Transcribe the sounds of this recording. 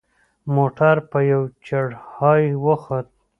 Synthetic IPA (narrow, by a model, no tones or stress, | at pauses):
moʈaɾpəjawt͡ʃaɽhɑjwəxat̪̚